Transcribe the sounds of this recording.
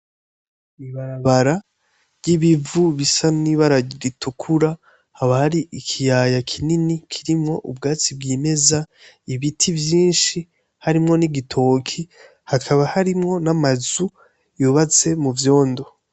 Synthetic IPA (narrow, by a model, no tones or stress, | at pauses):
iβaɾaβaɾa | ɾɟiβivuβisaniβaɾaɟiɾitʰukʰuɾa | haβahaɾiʔikʰijaːjakʰininikʰiɾimŋo̞ʔṵbɡaːt͡sib̚ɡiːme̞za | iβitʰivjiːnʃi | haɾimŋo̞niɡitʰo̞ːkʰi | hakʰaβahaɾimŋo̞namazu | juβat͡se̞muvjo̞ːndo